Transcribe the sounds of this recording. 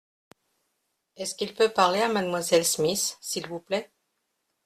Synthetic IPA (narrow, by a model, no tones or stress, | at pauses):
ɛskilpøpaʁleamad̪mwazɛlsmisːilvuplɛ